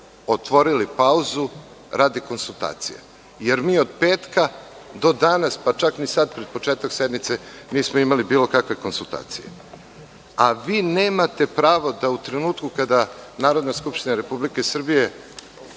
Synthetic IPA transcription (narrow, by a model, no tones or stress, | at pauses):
ot̪ʋo̞ɾilipauzu | ɾʔaːd̪iko̞nsulˠt̪a̰ːt̪sḭja̰ | je̞ɾmiːo̞d̪peːt̪ka | d̪o̞d̪anaspat͡ʃaknisad̪̚pɾed̪̚po̞t͡ʃeːt̪aksed̪mit̪se̞niːsmoimalibiːlˠo̞kakʋe̞ko̞nsulˠt̪a̰ːt̪sḭjḛ | aʋiːneːmat̪e̞pɾaːʋo̞d̪aut̪ɾenuːt̪kukad̪anaːɾo̞d̪naskupʃt̪inaɾe̞publike̞sr̩bije̞